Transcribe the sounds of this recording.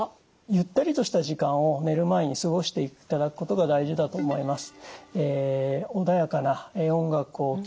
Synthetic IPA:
jɯ̟t̪ːaɾʲit̪o̞ɕi̥t̪aʑikãɰ̃o̞ne̞ɾɯ̟mae̞ɲ̟isɨɡo̞ɕi̥t̪e̞ikt̪ad̪akɯ̟̥ko̞t̪o̞ɡad̪aiʑid̪at̪o̞ːmo̞imasɨ̥eːo̞d̪ajakanaeõ̞ŋɡakɯ̟o̞

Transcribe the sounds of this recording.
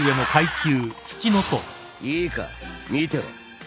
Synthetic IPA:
ɯe̞no̞kaikʲɨːt͡ɕɨ̥t͡ɕino̞t̪o | iːka̰mʲit̪eɾo̰

